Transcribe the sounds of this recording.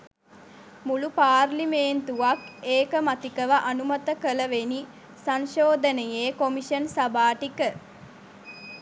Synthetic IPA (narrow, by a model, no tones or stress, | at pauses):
mulupaːrlimeːnt̪uʋakeːkəmat̪ikəʋaʔanumat̪əkələʋeni | sanʃoːd̪ənəjeːkomiʃənsabaːʈikə